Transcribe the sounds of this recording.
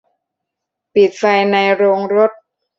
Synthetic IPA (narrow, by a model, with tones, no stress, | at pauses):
pi˨˩t̪̚fa˧jna˧jɾoː˧ŋɾo˦˥t̪̚